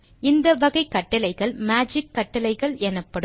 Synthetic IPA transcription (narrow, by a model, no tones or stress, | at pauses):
ɪnd̪ɐʋɐɣɐɪkːɐʈːɐlɐɪɣɐɭmaːd͡ʒɪkːɐʈːɐlɐɪɣɐɭɛnɐpːɐɽɯ